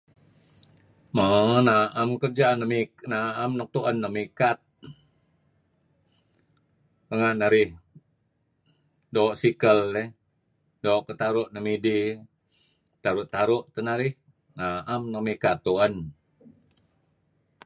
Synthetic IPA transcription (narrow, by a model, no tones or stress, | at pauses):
mənaʔəmkərd͡ʒanəmiknaəmnək̚t̪uʔənːəmikat̪̚ | əŋaʔnaɾɪh | doːʔsikəldɛ | doʔkət̪aɾʊʔnəmidi | t̪aɾʊʔt̪aɾʊʔt̪ənaɾɪh | naʔamnəmikat̪ːuən